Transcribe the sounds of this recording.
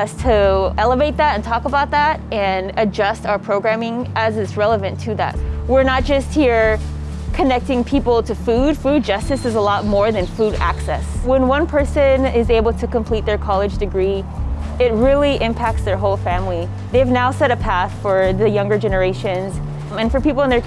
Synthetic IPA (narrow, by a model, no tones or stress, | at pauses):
ʌstʰɨɛlˠəveɪt̪̚ðæɾɨ̃ntʰɔkəbaʊt̪̚ðæɾɨ̃nɨd͡ʒʌstaʊə˞pʰɹ̥oʊɡɹæ̃mɪ̃ŋʔɨzɨzɹɛlˠəvɨ̃ntʰɨðæ̰t̚wɪɹnət̚d̥ʒ̥ʌst̚hiɹ | kʰɨnɛk̚tɪ̃ŋpʰipl̩ˠtʰɨfud̥fud̚d͡ʒʌstɨsɨzəlɔt̚mɔɹðɨ̃nfuɾæ̰ksɛ̰swə̃nwʌ̃npʰɜ˞sɨ̃nɪzeɪbl̩ˠtʰɨkə̃mpʰl̥it̪̚ðə˞kʰɑlˠɨd͡ʒdɨɡɹi | ɪt̚ɹɪlˠiʔɪ̃mpʰæk̚tsðə˞ɦoʊlˠfæ̃mli | ðeɪvnaʊsɛɾɨpʰæθfə˞ðɨjʌ̃ŋɡə˞d͡ʒɛnə˞eɪʃɨ̃nz | ɨ̃nfə˞pipl̩ˠə̃nðə˞